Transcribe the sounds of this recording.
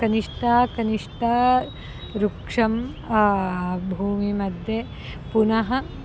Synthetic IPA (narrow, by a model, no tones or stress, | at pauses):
kɐniʂʈaːkɐniʂʈaː | ɾukʂɐm | bʱuːmimɐd̪ʱje | punɐɦɐ̆